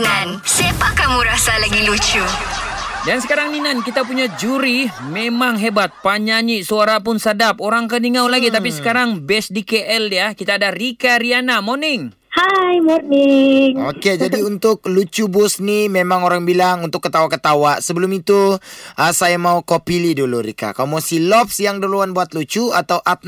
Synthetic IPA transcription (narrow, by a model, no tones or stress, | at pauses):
ŋansepakamuɾasalaɡilut͡ʃu | dansəkaɾaŋninankit̪apuɲad͡ʒuɾimemaŋɦebat̪̚paɲaɲiʔsuaɾapʊnsadap̚oɾaŋkəniŋawlaɡit̪apisə̥kaɾaŋbɛsdikeʔɛljakit̪aːdarikaɾianamonɪŋ | hajmoniŋoked͡ʒadiunt̪ʊk̚lut͡ʃubʊsnimemaŋoɾaŋbilaŋunt̪ʊkːət̪awakət̪awaʔsəbəlʊmit̪uʔəsajamaukopiliduluɾḭka̰kalomasilɔp̚sjaŋdəluanbuat̪̚lut͡ʃuat̪awʔat̪̚